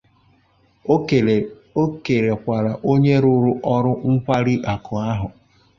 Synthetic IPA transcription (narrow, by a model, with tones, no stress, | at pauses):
o˦ke˨ɾe˨kʷa˨ɾa˨ʔo˦ɲe˦ɾʊ˦ɾʊ˦ʔɔ˦ɾʊ˦ŋ̩˦kʷa˦ɾɪ˦ʔa˨kʰʊ˨a˦ɦʊ˨